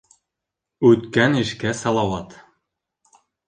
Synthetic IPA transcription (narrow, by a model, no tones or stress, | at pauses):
ʉt̪kænɘ̆ʃkæsɑlˠɑwɑt̪